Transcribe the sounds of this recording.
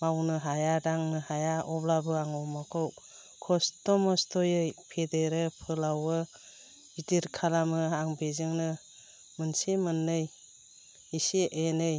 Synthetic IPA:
mawnɯɦajadaŋnɯhajaʔɔblabɯaŋɔmakʰɯw | kʰɔstɔmɔstʰɔjɯjpʰedeɾɯpʰɯlawɯ | idiɾkʰalamɯaŋbezɯŋnɯ | mɯnsimɯnːɯj | isiʔenɯj

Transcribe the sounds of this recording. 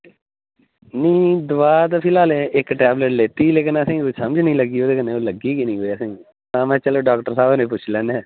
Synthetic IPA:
nĩːd̪ʊʋaːd̪pʰɪlaːlẽʔɪkʈɛːbləʈleːt̪iːleːkɪnəsĩːkoisəməd͡ʒnəĩːləɡiːoːd̪eːkənẽːoːləɡiːkɪnĩːɦoːiəsĩː | t̪ãːmɛ̃ːt͡ʃəloːɖaːkʈəɾsaːbonẽːp̬ʊt͡ʃʰlɛ̃ːneɛ̃ː

